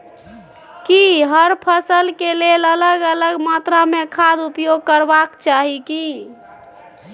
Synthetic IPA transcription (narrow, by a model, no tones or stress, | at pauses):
kiɦəɾpʰəsəlkelelələɡələɡmat̪ɾamekʰad̪upjoɡ̚kəɾbakt͡ʃaɦiki